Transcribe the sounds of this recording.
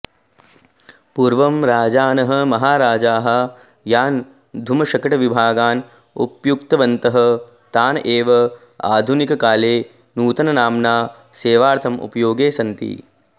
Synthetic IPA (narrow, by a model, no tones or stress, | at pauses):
puːɾʋɐmɾaːd͡ʒaːnɐɦɐ̆mɐɦaːɾaːd͡ʒaːɦɐ̆ | jaːn | d̪ʱumɐʃɐkɐʈɐʋibʱaːɡaːn | ṵpjukt̪ɐʋɐnt̪ɐɦɐ | t̪aːnɐʔeːʋɐ | a̰ːd̪ʱunikɐkaːleː | nuːt̪ɐnɐnaːmnaː | seːʋaːɾt̪ʰɐmṵpɐjoːɡeːsɐnt̪ḭ